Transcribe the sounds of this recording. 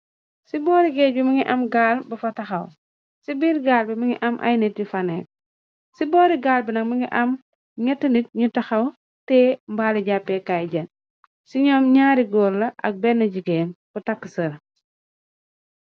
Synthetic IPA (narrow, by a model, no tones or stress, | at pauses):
sibɔːɾiɡɛbimɐŋiʔɐmɡaːlbɐfɐtɐxɐw | sibiːɾɡaːlbimɐŋiʔɐmʔa̰jnetːifɐnek̚ | sibɔːɾiɡaːlbinɐkmɐŋɡiʔɐm | ɲɛtːɐnit̚ɲutɐxɐw | tɛmbaliɟapːekajɟɐn | siɲɔːmɲaːɾiɡɔːɾlɐʔɐ̰k̚bɛnːɐɟiɡeːnkutɐkːəsɐɾ